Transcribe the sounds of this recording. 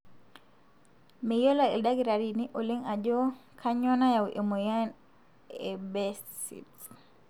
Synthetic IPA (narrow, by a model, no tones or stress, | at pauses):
mɛjɔlaɛ̰ldaɡiɾaɾiniʔɔliŋad͡ʒɔkʰaɲɔnajawʔɛmɔjan | ɛbɛssḭ